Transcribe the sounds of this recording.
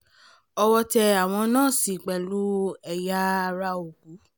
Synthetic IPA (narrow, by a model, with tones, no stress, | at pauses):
ɔ˧wɔ˧tɛ˧a˨w̃ɔ̃˧nãː˦˨si˨k͡pɛ˨lu˦ɛ˨ja˦˧ɾa˧o˨ɡu˨˦